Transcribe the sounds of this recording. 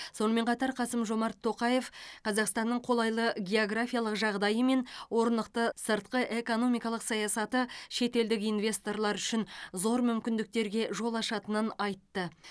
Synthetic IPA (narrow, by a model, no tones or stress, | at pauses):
so̞nəme̞ɴqʰɑt̪ɑɾqʰɑsəmʒo̞mɑɾt̪ʰːo̞qɑje̞fqʰɑzɑqst̪ɑnːəɴqʰo̞lˠɑjlˠəɡʲe̞o̞ɡrafʲijalˠəqʒɑʁd̪ɑjəme̞nwo̞ɾnd̪əqt̪əsəɾt̪qəʔe̞ko̞no̞mijkɑlˠəqsɑjɑsɑt̪əʃe̞t̪e̞ld̪ɪkijnvʲe̞st̪o̞rlˠɑɾʏʃɪnzo̞ɾmʏmkʲɪnd̪ɪk̚t̪e̞ɾɡʲe̞ʒo̞lˠɑʃɑt̪ənənɑjt̪ːə